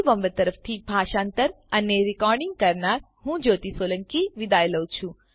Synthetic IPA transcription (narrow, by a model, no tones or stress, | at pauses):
ʋəmbət̪əɾəfʰt̪ʰibʱaːʃãːnt̪əɾ | ɐneɾɪkɔːɾɖiŋɡ̚kɐɾnaːɾ | ɦũd͡ʒoːt̪isoːlə̃ŋkiʋɪd̪aːjləwt͡ʃʰũ